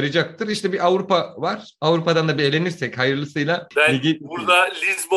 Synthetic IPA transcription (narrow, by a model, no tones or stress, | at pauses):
ɾɯd͡ʒak̚t̪ʰɯɾiʃt̪ʰɛbiʔavɾupavaɾ̥ | avɾupad̪and̪abelʲe̞niɾsɛchajɯɾlˠɯsɯjlˠaæiɡʲibuɾd̪alʲizbo